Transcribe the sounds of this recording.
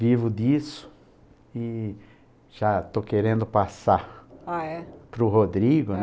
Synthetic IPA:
vivʊd̪isʊ̥ | ɪ | ʒ̥at̪okeɾẽnd̪ʊpasaaɛpɾʊɦod̪ɾiɡʊn

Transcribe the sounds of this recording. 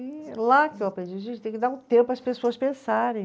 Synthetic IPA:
ɪlakɪewapɾẽnd͡ʒiɐʒẽnt͡ʃɪt̪ẽkɪd̪aɾʊ̃t̪ẽpʊpɾɐspesoɐspẽsaɾẽj̃

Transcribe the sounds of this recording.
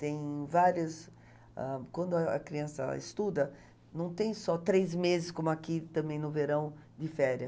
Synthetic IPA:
t̪ẽj̃vaɾiɐs | ã̰kwɐ̃nd̪ʊɐɐ̰kɾiɐ̃sɐ̰ḛst̪ud̪ɐ | nɐ̃w̃t̪ẽj̃sɔt̪ɾejzmezɪskõmʊakit̪ɐ̃bẽj̃nʊveɾɐ̃w̃d̪ɪfɛɾɐ

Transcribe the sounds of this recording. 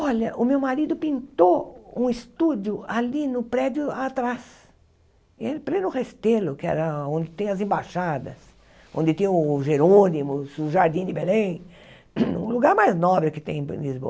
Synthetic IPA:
ɔʎɐʔʊmewmaɾid̪ʊpĩnt̪oũɪst̪ud͡ʒjʊalinʊpɾɛd͡ʒʊat̪ɾas | ɪelɪplẽnʊhest̪elʊkɪɛ̰ɾɐõnd̪ɪt̪ẽj̃ɐzẽbaʃad̪ɐ̰s | õnd̪ɪt̪ĩj̃ʊʊʒeɾonimʊsʊʒaɾd̪ĩd̪ɪbelẽj̃ | ṵ̃luɡaɾmajznɔbɾɪkɪ̥t̪ẽj̰̃lizbo̰ɐ

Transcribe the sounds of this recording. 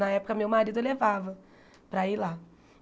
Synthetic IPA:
nɐɛpʊ̥kɐmewmaɾid̪ʊlevavɐ | pɾɐila

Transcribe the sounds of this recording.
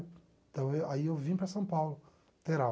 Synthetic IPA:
d̪̥aweaiawvĩpɾasãpawlu | t̪eɾa

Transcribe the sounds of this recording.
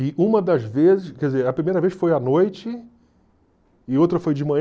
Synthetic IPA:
ɪʔũmɐd̪ɐzvezɪʃkɛd͡ʒɪzeɾɐpɾimejɾɐveʃfojɐnojt͡ʃɪ | owt̪ɾɐfojd͡ʒɪmɐ̃ɲ

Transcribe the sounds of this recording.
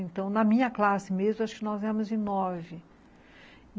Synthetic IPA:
ẽnt̪ɐ̃w̃nɐmĩɲɐklasɪmezmʊaʃʊ̥kɪnɔzɛmʊzd͡ʒɪnɔvɪ

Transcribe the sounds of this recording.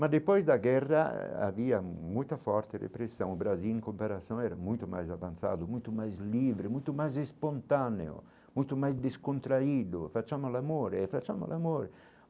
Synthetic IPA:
mad̪epɔjzd̪aɡɛrːa̰a̰viːamujt̪afɔɾt̪erḛpɾesːɔ̃w̃bɾazilŋkompaɾasjɔ̃ɛɾamujt̪uma̰jzavant̪sa̰ːd̪umujt̪umajzliːvɾemujt̪umajzespont̪anḛo̰ | mujt̪umajzd̪eskont̪ɾaiːd̪ofat͡ʃːamolamoːɾeːfat͡ʃamo̰lamoːɾe

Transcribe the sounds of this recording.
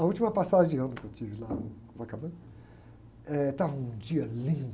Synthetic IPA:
ɐut͡ʃimɐpasadɐ̃d͡ʒɪɐ̃nʊkewt͡ʃivɪlanũkõvakabɐ̃ | ɛt̪avɐ̃ũd͡ʒiɐlĩnd̪

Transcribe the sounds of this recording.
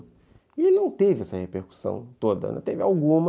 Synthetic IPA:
ielɪnɐ̃w̃t̪evɪɛsɐhepeɾku̥sɐ̰̃w̃t̪od̪ɐ̰ñ̰t̪evɪawɡũmɐ

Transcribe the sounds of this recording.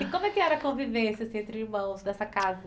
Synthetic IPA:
ɪkõmʊɛkɪɛɾɐkõvivẽsɐsẽnt̪ɾɪiɾmɐ̃w̃zd̪ɛsɐkazɐ

